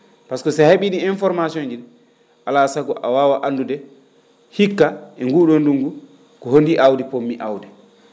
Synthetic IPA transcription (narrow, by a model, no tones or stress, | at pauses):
paskɔsaheɓiɗiinfɔɾmasiond͡ʒin | ʔalasaɡɔʔawaːwaʔandudɛ | hikːaʔɛŋɡuːɗonduŋɡu | kɔhondiʔawdɛpomːiʔawdɛ